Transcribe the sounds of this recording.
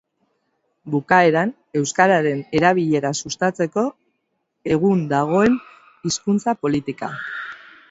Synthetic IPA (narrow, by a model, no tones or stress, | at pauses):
bukae̞ɾan | e̞wskaɾaɾe̞ne̞ɾaβ̞iʎe̞ɾasust̪at͡se̞ko̞ | e̞ɣ̞und̪aɣ̞o̞e̞n | iskunt͡sapo̞lit̪ika